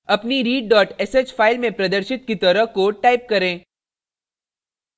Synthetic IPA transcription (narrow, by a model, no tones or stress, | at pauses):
ɐpniɾiːɖɖɔːʈɛsed͡ʒfʰaːɪlmẽpɾɐd̪əɾʃɪt̪̚kit̪ɐɾəɦkoʈaːɪp̚kɐɾẽː